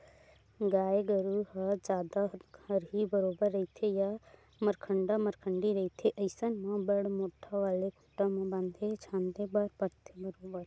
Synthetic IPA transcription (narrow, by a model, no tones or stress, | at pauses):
ɡaːeɡəɾuɦəd͡ʒaːd̪ahəɾɦibəɾoːbəɾːɐit̪ʰeja | məɾkʰəɳɖaməɾkʰəɳɖiɾɐɦit̪ʰeʔəɪsənmãbəɽmoːʈʰaʋaːlekʰuʈãmãbãnd̪ʱet͡ʃʰãːnd̪ebəɾpəɾt̪ʰebəɾoːbəɾ